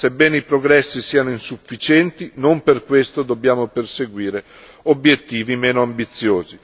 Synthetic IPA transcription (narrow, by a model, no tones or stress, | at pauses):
sebːɛːneipɾoɡɾɛsːisiːanoinsufːit͡ʃɛnt̪inomperkwest̪od̪obːjaːmoperseɡwiːɾe | objet̪ːiːvimeːnoambit̪sːjoːzi